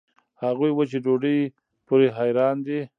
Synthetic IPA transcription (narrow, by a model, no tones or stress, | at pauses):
haɣujwət͡ʃeɖoɖəj | puɾeɦajɾɑnd̪i